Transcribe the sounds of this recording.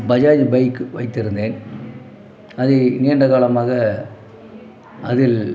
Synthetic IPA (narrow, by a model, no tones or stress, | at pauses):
bɐd͡ʒaːðbɐɪkʋɐɪt̪ːɪɾɯnd̪eːn | ɐðɯniːɳɖɐɣaːɭɐmaːɣɐ | ɐðɪl